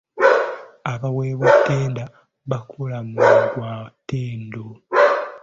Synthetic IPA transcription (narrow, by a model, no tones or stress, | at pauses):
aβaweːβotːeːnda | βakʰulamuɡwaːteːndo